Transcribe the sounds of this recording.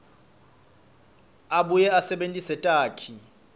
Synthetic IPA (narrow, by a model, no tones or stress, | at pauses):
aɓujɛasɛɓentʼisɛtʼaːkʰi